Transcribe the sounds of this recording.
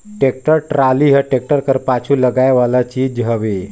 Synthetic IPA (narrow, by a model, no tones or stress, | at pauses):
ʈek̚ʈəɾʈɾaliɦəʈek̚ʈəɾkəɾpat͡ʃʰuːləɡajʋalat͡ɕiːd͡ʑɦəʋe